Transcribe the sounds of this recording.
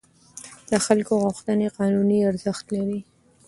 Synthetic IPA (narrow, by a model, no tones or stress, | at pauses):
d̪əxalkoɣʊxt̪əneqɑnuniaɾzəxt̪laɾi